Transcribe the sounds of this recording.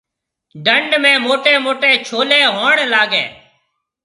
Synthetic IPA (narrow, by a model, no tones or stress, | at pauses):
ɖəɳɖmẽːmoːʈeːmoːʈeːt͡ʃʰoːleːɦoːɳlaːɡḛː